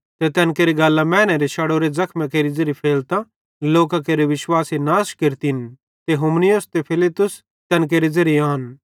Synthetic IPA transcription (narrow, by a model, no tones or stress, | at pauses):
t̪et̪ɛːnkeːɾiɡaːlːãmɛːñeɾeʃɐɽoːɾezɐkʰmẽkeːɾizɐɾipʰeːlt̪ã | loːkakeːɾeʋɪʃwaːsinaːskeɾt̪in | t̪eɦoːmnɪjost̪epʰɪlɪt̪ːʊs | t̪ɛːnk̬eːɾizɐɾijaːn